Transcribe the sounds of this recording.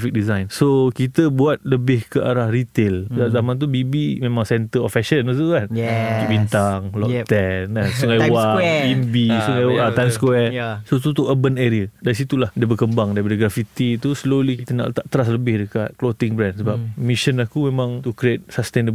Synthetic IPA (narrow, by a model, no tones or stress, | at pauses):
fik̚dizajnsokit̪əbuat̪̚ləbɪhkəʔaɾahrit̪elzazamant̪̬ubibimẽmãŋsɛnt̪əɔfɛʃənut̪ukanbint̪aŋlɔkt̪ɛnasuŋajwaimbisuŋajt̪anskwwɛsot̪ut̪uʔəbəneɾiədas̬it̪ulahdabəkəmbaŋdaɾipadəɡɾafit̪it̪uslolikit̪əna̰ʔt̪aʔt̪əɾas̬ləbɪhdəkat̪̚klot̪ɪŋbɾɛ̃nsəbap̚miʃənakumẽmãŋt̪ukɾiet̪̚sast̪endə